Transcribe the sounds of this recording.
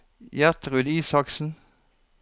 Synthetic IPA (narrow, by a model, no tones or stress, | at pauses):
jæʁt̪ʁʉd̪iːsɑksn̩